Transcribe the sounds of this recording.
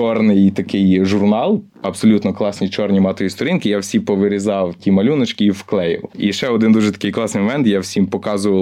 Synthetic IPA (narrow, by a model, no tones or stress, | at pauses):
t͡ʃɔrnɪjt̪ɐkɪjʒʊrnɑlˠ | ɐbsɔlʲut̪nɔklˠɑsʲnʲit͡ʃɔrnʲimɑt̪ɔjist̪ɔɾʲinkɪjawsʲipɔʋɪɾʲizɑwtʲimɐlʲunɔt͡ʃkʲiwklˠɛjɪ̰wiʃɛɔd̪ɪnd̪uʒɛt̪ɐ̥kɪjklˠɑsnɪjmʋɛnt̪jawsʲimpɔkɑzʊʋɐ